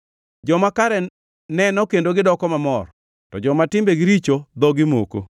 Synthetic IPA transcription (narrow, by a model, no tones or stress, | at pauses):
d͡ʒɔmakaɾɛ | nɛnɔkendoɡɪdɔkɔmamɔr | tɔd͡ʒɔmatɪmbeɡɪɾit͡ʃod̪ɔɡɪmo̰ko̰